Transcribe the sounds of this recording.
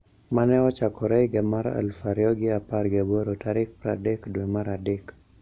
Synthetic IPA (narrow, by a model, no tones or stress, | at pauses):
manɛɔt͡ʃakɔɾɛɪɡɛmaɾa̰lfaɾjɔɡɪaparɡeboɾotaɾɪk̚pɾa̰dekdwemaɾadek